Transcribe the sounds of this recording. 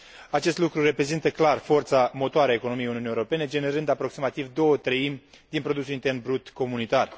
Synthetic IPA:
at͡ʃe̞st̪lukɾure̞pɾe̞zint̪əklarfo̞rt̪samo̞t̪oaɾeaeko̞no̞mijeuniunijewɾope̞ned͡ʒe̞ne̞ɾɨnd̪apɾo̞ksimat̪ivd̪o̞wət̪ɾəimʲ | d̪inpɾo̞d̪us̬ulint̪e̞rnbɾut̪ko̞munit̪ar

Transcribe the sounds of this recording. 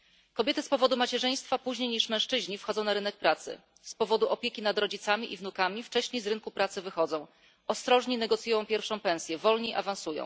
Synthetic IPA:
kɔbʲjɛt̪ɘspɔvɔd̪umat͡ɕɛʐɘj̃st̪fapuʑɲejɲiʂmɛ̃ʂt͡ʂɘʑɲifxɔd̪zɔ̃w̃naɾɘnɛk̚pɾat̪sɘ̰ | spɔvɔd̪uʔɔpʲjekʲinad̪ɾɔd͡ʑit̪samʲiʔivnukamʲift͡ʂɛɕɲejzɾɘŋkupɾat̪sɘvɘxɔd̪zɔ̃w̃ | ʔɔst̪ɾɔʐɲinɛɡɔt̪sʲjujɔ̃w̃pʲjɛɾfʂɔ̃w̃pɛ̃w̃sʲjɛvɔlɲeiʔa̰vañsujɔ̰̃w̃

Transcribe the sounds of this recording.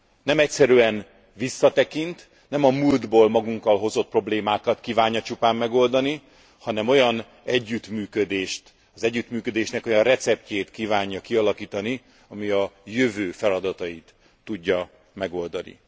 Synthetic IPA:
nɛmɛcsɛɾyɛn | visːɒt̪ɛkint̪ | nɛmɒmuld̪boːlmɒɡuŋkɒlɦo̞zo̞t̪̚pro̞bleːmaːkɒt̪kiːvaːɲːɒt͡ʃupaːmːɛɡo̞ld̪ɒni | hɒnɛmo̞jɒn | ɛɟːyt̪myːkød̪eːʃt̪ | ɒzɛɟːyt̪myːkø̞d̪eːʃnɛko̞jɒnrɛt̪sɛp̚ceːt̪kiːvaːɲːjɒkiɒlɒkiːt̪ɒni | ɒmiɒjøvøːfɛlɒd̪ɒt̪ɒjit̪ː | uɟːɒ | mɛɡo̞ld̪ɒnḭ

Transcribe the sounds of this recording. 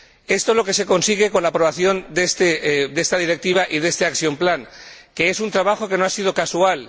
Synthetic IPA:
e̞st̪olo̞ke̞se̞ko̞nsiɣ̞e̞ko̞nlapɾo̞β̞aθjo̞nd̪est̪ed̪e̞st̪að̞iɾe̞k̚t̪iβ̞aʔiðe̞st̪e̞akθjo̞mplaŋke̞e̞sunt̪ɾaβaxo̞ke̞noasiðo̞kasual

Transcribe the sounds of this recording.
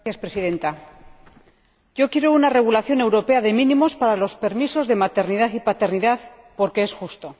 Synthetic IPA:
θjaspɾesiðe̞nt̪a | ɟ͡ʝo̞kje̞ɾo̞unare̞ɣ̞ulaθjo̞ne̞wɾo̞pe̞aðe̞mĩnĩmo̞spaɾalo̞spe̞ɾmiso̞zðe̞mat̪e̞ɾniðaθipat̪e̞ɾniðaθ | po̞ɾke̞esxust̪o̞

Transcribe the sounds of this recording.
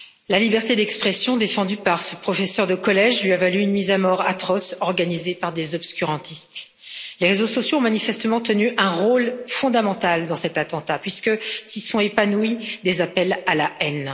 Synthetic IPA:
lalibɛʁt̪ed̪ɛkspχɛsjɔ̃d̪efɑ̃d̪ypaʁsəpχɔfɛsœʁd̪əkɔlɛʒlɥiavalyynmizamɔʁat̪χɔsɔʁɡanizepaʁd̪ezɔbskʲyʁɑ̃t̪ist̪ | leʁezosɔsjoɔ̃manifɛst̪əmɑ̃t̪ənyʔɛ̃ʁolfɔ̃d̪amɑ̃t̪ald̪ɑ̃sɛt̪at̪ɑ̃t̪apɥiskəsisɔ̃epanuid̪ezapɛlalaʔɛn

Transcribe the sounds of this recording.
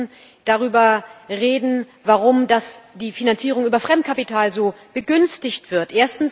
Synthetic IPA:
d̥aʁyːbɐʁeːdn̩ | vaʁʊmdasd̥iːfinant͡siːʁ̞ʊŋʔyːbɐfʁ̥ɛmt̚kʰapitʰaːlzoːb̥əɡʏnstɪçtv̥ɪɐtʔeːɐstn̩s

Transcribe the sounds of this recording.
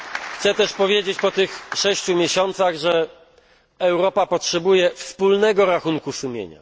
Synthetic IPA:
xt̪sɛt̪ɛʂpɔvʲjed͡ʑet͡ɕpɔt̪ɘxʂɛɕt͡ɕumʲjeɕɔnt̪saɣʐɛ | ɛwɾɔpapɔtʂɛbujɛfspulnɛɡɔɾaxuŋkusumʲjḛɲa̰

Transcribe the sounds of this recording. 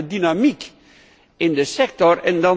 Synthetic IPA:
ədynamik | ɪndəsɛk̚tɔrɛndɑ

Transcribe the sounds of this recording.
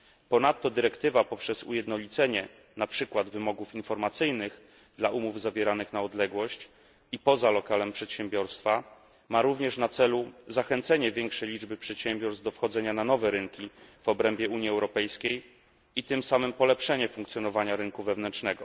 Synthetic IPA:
pɔnat̪ːɔd̪ɘɾɛkt̪ɘvapɔpʂɛzṵjɛd̪nɔlʲit̪sɛɲɛ | napʂɘkwad̪vɘmɔɡufinfɔɾmat̪sɘjnɘɣ | d̪laumuvzavʲjɛɾanɘxnaɔd̪lɛɡwɔɕt͡ɕ | ipɔzalɔkalɛmpʂɛt̪ɕɛmbʲjɔɾst̪fa | maɾuvɲɛʂnat̪sɛluzaxɛnt̪sɛɲɛvʲjɛŋkʂɛjlʲid͡ʐbɘpʂɛt̪ɕɛmbʲjɔɾsd̪ɔfxɔd̪zɛɲananɔvɛɾɘŋkʲiv̥ɔbɾɛmbʲjɛuɲiɛwɾɔpɛjskʲej | it̪ɘmsamɘmpɔlɛpʂɛɲɛfuŋkt̪sʲjɔnɔvaɲaɾɘŋkuvɛvnɛntʂnɛɡɔ

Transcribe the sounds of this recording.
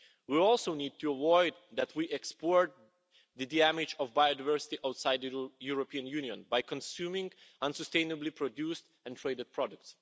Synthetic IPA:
wiɔlˠsoʊnid̪̚tuəvɔɪd̪̚ðætwiʔɛkspɔɹt̪̚ | ðɨdiæmɪt͡ʃɔvbajodavɜ˞sɪ̥tiʔaʊtsaɪd̪̚ɨjuɹɔpiə̃njʉniə̃nbajkʰɔ̃nsjumɪ̃ŋʔʌ̃nsəstẽɪ̃nəblipʰɹɔdjust | ɛ̃ntʰɹeɪdɨd̚pʰɹɔdʊk̚ts

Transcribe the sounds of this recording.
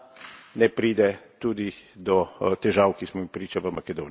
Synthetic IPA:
nɛpɾiːd̪ɛt̪uːd̪id̪ɔt̪ɛʒaːwkismɔmipɾiːt͡ʃaʋəmakɛd̪oːn

